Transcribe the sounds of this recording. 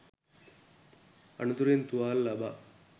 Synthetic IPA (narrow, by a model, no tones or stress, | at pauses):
ɐ̰nut̪uɾent̪uʋaːlːɐbaː